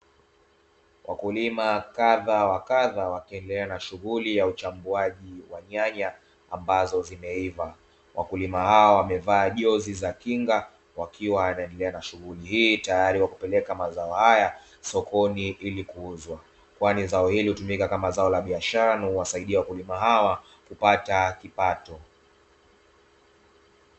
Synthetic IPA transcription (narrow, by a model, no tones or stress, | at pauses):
wʔa̰kulimakaðawakaðawakiɛndɛlɛanaʃuɣulijaut͡ʃambuaʄiwaɲaɲaː | mbazɔzimɛiva | wʔa̰kulimahaɔwamɛvaːʄɔzizakiŋɡa | wakiwaanaɛndɛlɛanaʃuɣulihiːtajaɾiwakupɛlɛkamazaɔhaja | sɔkɔniʔilikuuzwa | kwanizaɔhilihutumikakamazaɔlaɓiaʃaɾanahuwasaiɗiawakulimaɦawa | kupatakipatɔ